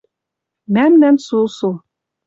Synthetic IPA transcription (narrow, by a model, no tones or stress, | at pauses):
mæmnænsusu